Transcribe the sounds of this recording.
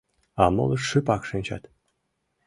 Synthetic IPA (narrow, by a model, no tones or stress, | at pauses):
ɑmɤ̰lˠɤʂɨpɑkʂɨ̆nʲt͡ɕɑ̰t̪